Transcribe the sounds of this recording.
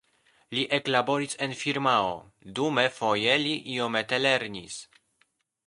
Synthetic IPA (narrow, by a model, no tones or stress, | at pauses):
liʔe̞klabo̞ɾise̞nfiɾmao̰ | dume̞fo̞je̞liʔiomet̪e̞le̞ɾnis